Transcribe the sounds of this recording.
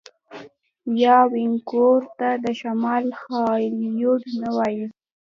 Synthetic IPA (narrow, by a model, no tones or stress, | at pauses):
jɑwɪŋkoɾt̪ad̪əʃamɑlxɑljoɖnawɑji